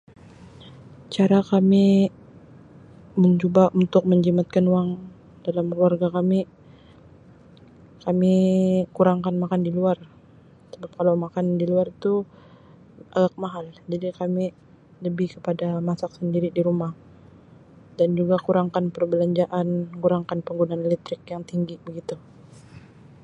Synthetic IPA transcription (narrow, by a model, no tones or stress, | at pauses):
t͡ʃaɾakami | məɲt͡ʃobaʔunt̪ʊk̚məɲd͡ʒimat̪̚kanuwaŋ | dalamkluarɡakami | kamikuɾaŋkanmakandiluar | səbap̚kalawmakandiluart̪u | ʔaɡak̚maɦald͡ʒadikami | ləbikəpadamasak̚səndiɾidiɾumah | dand͡ʒuɡakuɾaŋkanpərbəlaɲd͡ʒaʔankuɾaŋkanpəŋɡunaːnelɛt̪ɾɪkjaŋt̪iŋɡibəɡit̪u